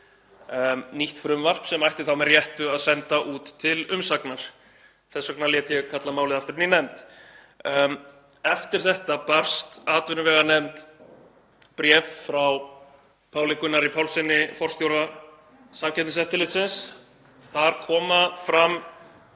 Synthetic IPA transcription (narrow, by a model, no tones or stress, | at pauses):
niht̪fɾʏmvar̥psɛmajht̪ɪθawmɛrjɛht̪ʏaðsɛnt̪aʔuːt̪ʰːɪlʏmsaknaɾ̥ | θɛsːaknaljɛːt̪jɛɣkʰat̪lamaːwlɪðaft̪ɪɾninɛmt̪ː | ɛft̪ɪɾ̥θɛht̪apar̥st̪aːt̪vɪnʏvɛːɣanɛmt̪ | pɾjɛffɾaw | pʰaːwlɪkʏnːaɾipʰawlsɪnːɪfɔr̥st̪jowɾa | samcʰɛnt̪ɪsɛft̪ɪlɪt̪sɪns | θaɾ̥kʰɔːmafɾam